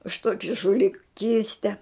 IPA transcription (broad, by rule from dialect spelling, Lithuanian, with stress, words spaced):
ʊʃ ˈtuɔkʲɪ ʒʊlʲɪˈkʲiːsʲtʲɛ